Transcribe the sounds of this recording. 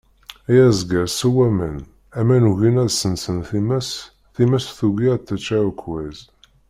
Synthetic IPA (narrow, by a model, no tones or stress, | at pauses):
æjæzɡəɾsuwæmən | æmænuʝinæðsənsənθimæs | θimæsθuɡiɾt̪ːæt͡ʃːæɾukʰwæz